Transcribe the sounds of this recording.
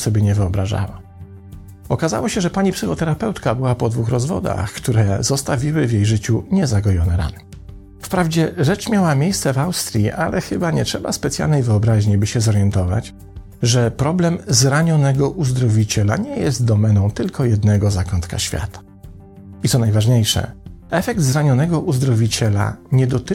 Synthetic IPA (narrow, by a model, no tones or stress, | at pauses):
sɔbʲjɛɲɛvɘɔbɾaʐa̰wa | ɔkaza̰wɔɕɛʐɛpaɲipsɘxɔt̪ɛɾapɛwt̪kabɘwapɔd̪vuxɾɔzvɔ̰d̪a̰xkt̪uɾɛzɔst̪avʲiwɘvʲjejʐɘt͡ɕuɲɛzaɡɔjɔnɛɾa̰nɛ | fpɾavd͡ʑɛʐɛt͡ʂmʲjawamʲjejst̪sɛvawst̪ɾʲjiʔalɛxɘbaɲɛtʂɛba̰spɛt̪sʲja̰lnɛjvɘɔbɾaʑɲibɘɕɛzɔɾjɛnt̪ɔva̰t͡ɕ | ʐɛpɾɔblɛmzɾaɲɔnɛɡɔʔuzd̪ɾɔvʲit͡ɕɛla̰ɲɛjɛst̪̚d̪ɔmɛnɔ̃w̃t̪ɘlkʰɔjɛd̪nɛɡɔzakɔnt̪ka̰ɕfʲja̰t̪ḁ | it̪ɔnajvaʐɲejʂɛ̰ɛfɛkt̪zɾaɲɔnɛɡɔʔuzd̪ɾɔvʲit͡ɕɛla̰ɲɛd̪ɔt̪ɘ